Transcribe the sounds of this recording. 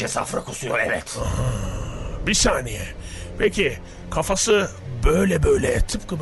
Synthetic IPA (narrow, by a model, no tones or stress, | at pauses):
ɛsa̰fɾakʰusujoɾɛvɛt̪aha | bisaːnɛjɛ | pʰɛcʰi | kʰafasɯbø̞jlʲɛbøjlʲɛt̪ʰɯpkɯ